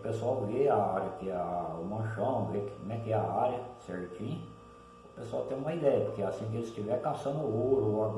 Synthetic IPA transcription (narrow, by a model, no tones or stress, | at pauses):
pesʊawveaaɾjɐkɪɛʊmɐ̃ʃɐ̃vekɪkomɛkɪɛa̰aɾjɐsɛɾt͡ʃĩɲɐ | ʊpesʊawt̪ẽj̃ũmɐid̪ɛjɐpʊkeasĩk̬ɪelɪst͡ʃivɛkasɐ̃nd̪ʊoɾʊaɡ